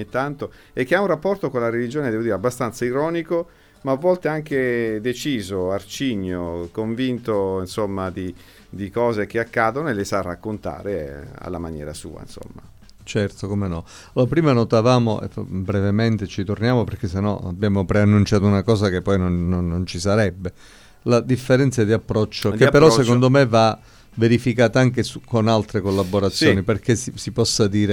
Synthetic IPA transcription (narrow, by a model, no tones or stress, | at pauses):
it̪ːant̪o | ekːeaunrapːɔrt̪okonlaɾelid͡ʒoːned̪ɛːvod̪iːɾeabːast̪ant̪saiɾɔːniko | maːvːɔlt̪eaŋk̟ed̪et͡ʃiːzoart͡ʃiɲːokoɱvint̪oinsomːad̪i | d̪ikɔːzek̟eakːaːd̪onoelesarːakːont̪a̰ːɾea̰lːamanjɛ̰ːɾa̰sṵːa̰ḭnso̰mːa̰ | t͡ʃɛrt̪okomenɔ | loːɾapɾiːmanot̪avaːmoḛfa̰bɾevement̪et͡ʃit̪ornjaːmopeɾrk̟es̬enːɔa̰bjaːmopɾeanːunt͡ʃaːt̪ounakɔːzak̟epːɔjnonːonːont͡ʃisaɾɛbːe | lad̪ifːeɾɛnt̪sad̪iapːɾɔt͡ʃːokepːeɾɔssekond̪omeva | veɾifikaːt̪aaŋkesukonalt̪ɾekolːabːoɾat̪sːjoːniperk̟esisipɔsːad̪iːɾe